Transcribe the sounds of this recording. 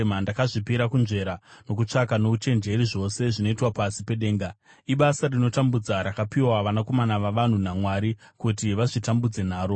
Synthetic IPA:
mandakaʐipiɾakunʐe̞ɾano̞k̬ut͡ʂakano̞ut͡ʃe̞nd͡ʒe̞ɾiʐo̞se̞ʐino̞itwapasipeɗe̞ːŋɡa | iɓasarino̞tambud͡zaɾakapiwaʋanako̞manaʋaʋan̤unamwaɾikutiʋaʐitambud͡ze̞n̤aːɾo̞

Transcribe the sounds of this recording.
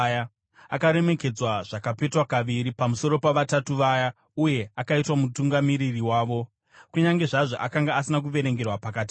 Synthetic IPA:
ja | akaɾe̞me̞ke̞d͡zwaʐ̥akape̞twakaʋiɾipamuso̞ɾo̞paʋatatuʋaja | uje̞akaitwamutuŋɡamiɾiriwaːʋo̞ | kuɲaŋɡe̞ʐaʐoʔakaŋɡaːsinak̬uʋe̞ɾe̞ŋɡe̞rwapakaːt̬i̥

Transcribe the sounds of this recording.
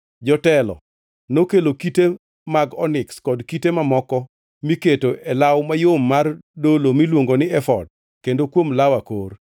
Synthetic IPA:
d͡ʒɔtɛlɔ̰ | nokelokite | maɡɔnɪkskɔdkitemamɔkɔ | miketoʔɛlawmajomːardolomilwoŋɡonɪɛfɔ̰d̚ | kendokwomlawakor

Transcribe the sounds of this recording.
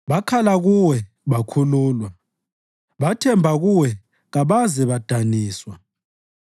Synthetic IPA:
βakʰalaɣuwɛ | βakʰuluːlwa | βatʰɛmbʱaɣuwɛ | ɣaβazɛβad̥ʱaniːswa

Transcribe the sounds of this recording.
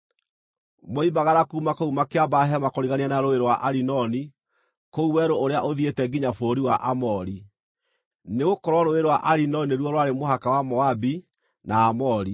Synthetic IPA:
moibaɣaɾakuːmakoumakeabaɦɛmakoɾiɣanianaɾoeɾowaʔaɾinɔni | kouwɛɾooɾeaʔoðietɛɡiɲafoɾiwaʔamɔɾi | neɣokɔɾwɔɾoeɾowaʔaɾinɔnieɾwɔɾwaɾemohakawamɔabi | naːmɔɾi

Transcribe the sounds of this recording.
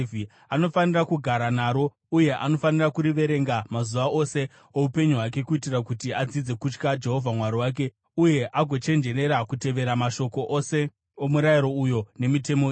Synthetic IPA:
vi | ano̞fanirakuɡʱaɾanaːɾo̞ | uje̞ʔano̞fanirakuɾiʋe̞ɾe̞ŋɡamazuʋaʔose̞ | oupe̞ɲuɦwak̬e̞kuitirakutiad͡zid͡ze̞kut͡ʃkad͡ʒe̞ɦo̞vʱamwaɾiwaːk̬e̞ | uje̞ʔaɡʱo̞t͡ʃe̞nd͡ʒe̞ɾe̞ɾakute̞ʋe̞ɾamaʃo̞ko̞ʔose̞ | omuɾajiɾo̞ujo̞ne̞mite̞mo

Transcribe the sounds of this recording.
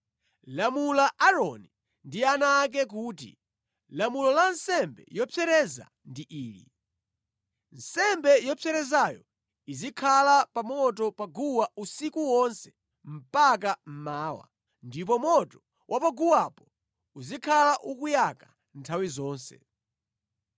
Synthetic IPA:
lamulaʔaɾɔni | ndianak̬ɛk̬uːtḭ | lamulɔlansɛmbɛ̰jɔpʰɛɾɛza̰ | ndiʔiːlḭ | n̩sɛmbɛjɔpʰɛɾɛzajɔ̰ | izikʰalapamɔtɔpaɡuwausikuwɔnsɛ̥ | m̩pak̬am̩maːwa̰ | ndip̬ɔmɔtɔ | wʔapaɡuwapɔ | uzikʰalaʔukujaka | ntʰawizɔːnsɛ̰

